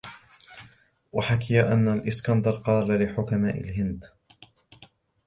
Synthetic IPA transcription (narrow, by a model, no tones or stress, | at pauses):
waħakɪjaʔanːalʔɪskand̪ɑɾˤqɑːlalɪħʊkamaːʔɪ̰lɦɪnd̪